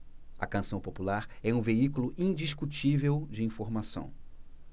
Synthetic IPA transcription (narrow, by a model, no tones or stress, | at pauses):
ɐ̰kɐ̃sɐ̃w̃populaɾɛũveikulʊʔĩd͡ʒiʃkut͡ʃivewd͡ʒɪĩfoɾmasɐ̰̃w̃